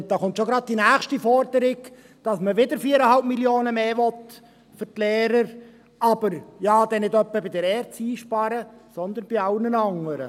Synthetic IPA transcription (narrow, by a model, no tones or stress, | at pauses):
d̥ɑːχʊnt̪ʃoɡɾɑd̪̚d̥inæːχʃtifɔɾdəɾɪɡ | d̥ɑsməʋɪd̪əɾfiːəɾəhɑlp̚miljoːnəmeːʋɔt̪ | fʏɾtleːɾəɾ | ɑb̥əɾjɑːd̪̥ɛnɪdœpːəbɪdəɾɛːɾtt͡siːʃpɑɾəsɔnd̪ənb̥iɑwnənɑŋəɾə̰